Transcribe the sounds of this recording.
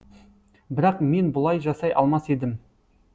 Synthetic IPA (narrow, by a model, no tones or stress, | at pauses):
bɪɾɑqme̞nbʊlˠɑjʒɑsɑjʔɑ̰lˠmɑse̞d̪ɪm